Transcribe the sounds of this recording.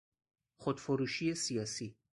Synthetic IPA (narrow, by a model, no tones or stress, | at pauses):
χod̪foɾuʃiesijɑsi